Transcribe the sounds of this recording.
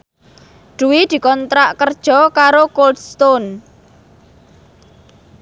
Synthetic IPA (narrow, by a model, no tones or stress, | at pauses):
ɖ̥ṳwid̪̥i̤kɔnt̪ɾaʔkərd̥ʒ̥ɔ̤kaɾokold̥st̪on